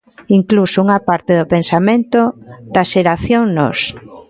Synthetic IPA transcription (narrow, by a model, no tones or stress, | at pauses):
iŋklusouŋapaɾt̪eðopensamẽnt̪od̪aʃeɾaθjoŋnɔ̰s